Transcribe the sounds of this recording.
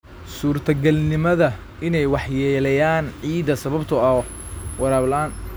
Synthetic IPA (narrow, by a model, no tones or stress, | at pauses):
suːrt̪ʰɐɡɐlnɪmɐðɐ | ɪnɛjwɑħjɛːlɐjaːnʕiːd̪ɐsɐβɐbt̪ʰʊɐɔ | wɐɾaːβlɐaːn